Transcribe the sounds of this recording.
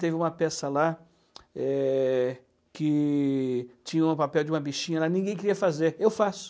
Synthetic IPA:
t̪evɪũmɐpɛsɐla | ɛ | kɪ | t͡ʃĩɲɐũʊ̃papɛwd͡ʒɪũmɐbiʃĩɲɐlanĩɡẽj̃kɪɾiɐfazeɾewfasʊ̥

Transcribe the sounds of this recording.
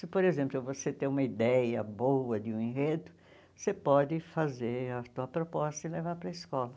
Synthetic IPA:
sɪpoɾezẽmplʊvoset̪ẽũmɐid̪ɛjɐbowɐd̪ɪũĩɦed̪ʊ | sepɔd̪ɪfazeɾɐt̪uɐpɾopɔst̪ɐɪlevaɾpɾɐiskɔlɐ

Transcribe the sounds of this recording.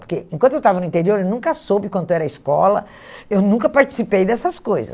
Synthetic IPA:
poɾkeẽŋkʷwɐ̃t̪ʊewt̪avɐnʊĩnt̪eɾioɾewnũŋkɐsobɪkwɐ̃nt̪ʊɛɾɐiskɔlɐ̰ | ewnũkɐpaɾt͡ʃi̥sipejd̪ɛsɐskojzɐ̰s

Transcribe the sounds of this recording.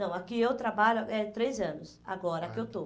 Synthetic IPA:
ɐ̃w̃akiewt̪ɾabaʎʊɛt̪ɾejzɐ̃nʊs | a̰ɡɔɾɐkɪewt̪o

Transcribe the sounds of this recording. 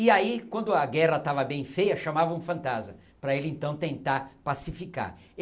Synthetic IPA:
ɪaikwɐ̃nd̪ʊɐɡɛʁɐt̪avɐbẽj̃fejɐʃamavɐũfɐ̃nt̪azmɐ | pɾɐelɪẽnt̪ɐ̃w̃t̪ẽnt̪aɾpasifika̰ɾ

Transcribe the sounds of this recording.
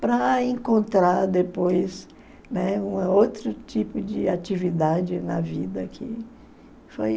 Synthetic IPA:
pɾɐẽkõnt̪ɾaɾd̪epojs | nɛũɐowt̪ɾʊt͡ʃipʊd͡ʒɪat͡ʃivid̪ad͡ʒɪnɐvid̪ɐkʰɪ̰ | foj

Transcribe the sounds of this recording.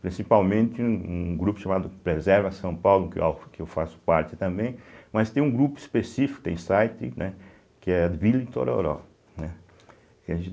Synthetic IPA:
pɾĩsipawmẽnt̪ɪũũɡɾupʊ̥ʃamad̪ʊkpɾezɛɾvɐsɐ̃w̃pawlʊkɪkɪewfasʊ̥paɾt͡ʃɪ̥t̪ɐ̃mbẽj̃mɐst̪ẽj̃ũɡɾupʊispesifi̥kʊ̥ʊt̪ḛ̃j̃sajt̪ɪ̰nʔɛ | kɪɛad̪vilit̪o̰ɾo̰ɾɔ̰ | nɛ | kɪɐʒẽ

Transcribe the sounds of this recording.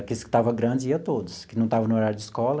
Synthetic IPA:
kisʊ̥kɪ̥t̪avɐɡɾɐ̃d͡ʒɪiɐt̪od̪ʊskɪnɐ̃w̃t̪avɐ̃nʊoɾaɾjʊd͡ʒɪskɔlɐ

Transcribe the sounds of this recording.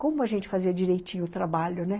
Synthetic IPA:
kõmʊɐʒẽnt͡ʃɪ̥faziɐd͡ʒiɾejt͡ʃĩɲʊt̪ɾabaʎʊnɛ

